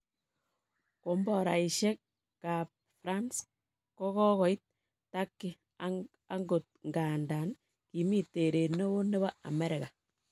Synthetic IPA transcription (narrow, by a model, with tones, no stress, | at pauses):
ko˨mbɔ˨ɾa̰˨i˨ʃe˦k̚ | ka˨p̚ | fɾa˦ns | kɔ˦kɔ˦kɔ˨i˦t̚ | tːa˦kːɪ˨ | a | a˦ŋɡo˨t̚ŋɡa˨nda˨n | ki˨mi˦te˨ɾe˨no˦βo˦ne˦βa˦a̰˨me˦ɾɪ˨ka˨